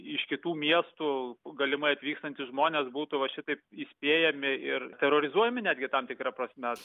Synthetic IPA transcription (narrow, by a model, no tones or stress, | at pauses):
ɪʃkʲɪt̪uːmʲiɛst̪uːɡɐlʲɪmɐɪɐt̪ʲʋʲiːkst̪ɐnʲt̪ʲɪsʒmoːnʲeːsbuːt̪ʊʋɐʃʲɪt̪ɐɪpisʲpʲeːjɛmʲɪɪrt̪ʲɛɾoɾʲɪzuɔjɛmʲɪnʲæːd̪ʲɡʲɪt̪ɐmt̪ʲɪkɾɐpɾɐsʲmʲɛ